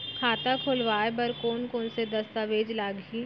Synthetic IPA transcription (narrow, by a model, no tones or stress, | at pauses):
kʰaːt̪akʰoːlʋaːebɐɾkoːnkoːnsed̪ɐst̪aʋeːd͡ʒlaːɡɦiː